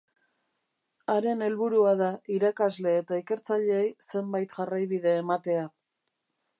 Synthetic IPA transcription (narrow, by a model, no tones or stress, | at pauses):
aɾe̞ne̞lβuɾuaðaiɾakazle̞ːt̪aike̞ɾt͡saʎe̞ːjse̞mbajt̪ʝarajβið̞e̞ːmat̪e̞a